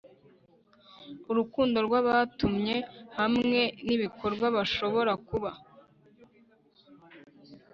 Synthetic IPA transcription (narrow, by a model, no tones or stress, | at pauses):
uɾukuːndo̞ɾɡwaβatumɲe̞hamŋe̞niβiko̞ɾɡwaβaʃo̞βo̞ɾakuβa